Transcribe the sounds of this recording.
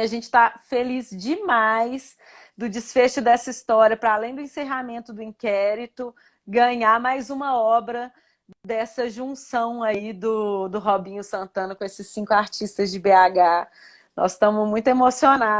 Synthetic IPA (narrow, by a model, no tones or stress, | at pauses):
aʒẽnt͡ʃɪ̥t̪afelizd͡ʒɪmajs | d̪ʊd͡ʒisfeʃʊd̪ɛsɐist̪ɔɾiɐpɾɐalẽj̃d̪ʊẽseɦamẽnt̪ʊd̪ʊĩkɛɾit̪ʊ | ɡɐ̃ɲaɾmajzũmɐɔbɾɐ | d̪ɛsɐʒũsɐ̃w̃ɐid̪ʊd̪ʊɦobĩɲʊsɐ̃nt̪ɐ̃nɐkõesɪsːĩŋkʊaɾt͡ʃist̪ɐzd͡ʒɪbeaɡa | nʔɔ̰sst̪ɐ̃mʊzmũj̃t̪emosiona